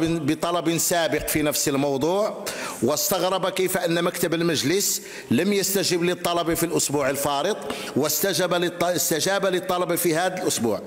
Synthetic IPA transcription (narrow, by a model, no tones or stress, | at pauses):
bət̪ˤɑlɑbinsæbəqfinæfsəlmɑwd̪ˤuːʕwəst̪ɑɣɾˤɑbakifʔənːmækt̪əbəlməʒləs | ləmjəst̪æʒəblit̪ˤːɑlɑbifilʔʊsbuːʕəlfɑɾət̪ˤ | wəst̪æʒb̪st̪əʒæbalit̪ˤːɑlɑbifihæd̪əlʔʊsbṵːʕ